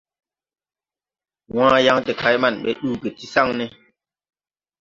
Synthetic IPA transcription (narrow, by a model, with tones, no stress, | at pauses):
wãː˦ja˦ŋte˨kʰa˨˦jma˦˨nɓe˦ɗuː˦˨ke˨ti˦sa˦ŋne˦